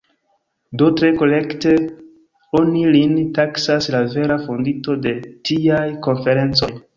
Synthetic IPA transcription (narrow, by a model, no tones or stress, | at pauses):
dotɾe̞ko̞le̞kte | o̞nilintaksaslave̞ɾafondito̞de̞tiajko̞nfe̞ɾe̞nt͡so̞j